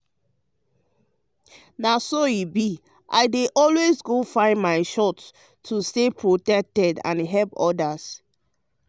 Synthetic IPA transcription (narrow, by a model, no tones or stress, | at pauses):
nasoibi | ʔa̰ɪdeʔɔlwezɡofãɪ̃nmaɪʃɔt | tʰːustepʰɹotɛk̚tɛdã̰nɦɛlpɔdas